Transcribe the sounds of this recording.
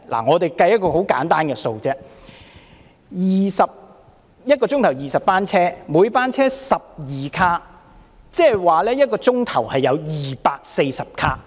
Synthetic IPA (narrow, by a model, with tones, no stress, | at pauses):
la̰˨˩ŋɔː˨˧t̪e˨jkɐ˧jɐ˥t̚kɔː˧ho˨˥wka̰ː˨˥nt̪aː˥nkɛː˧so˧wt͡sɛː˥ | jiː˨sɐ˨p̚ | jɐ˥t̚kɔː˧t͡sʊ˥ŋt̪ʰwjiː˨˩sɐ˨p̚paː˥nt͡sʰɛː˥mu˨˧jpaː˥nt͡sʰɛː˥sɐ˨p̚jiː˨kʰaː˥ | t͡sɛː˥hwaː˨lɛː˥jɐ˥t̚kɔː˧t͡sʊ˥ŋt̪ʰɐ˨˩whɐ˨jːɐ˨˧wjiː˨paː˧k̚se˧jsɐ˨p̚kʰaː˥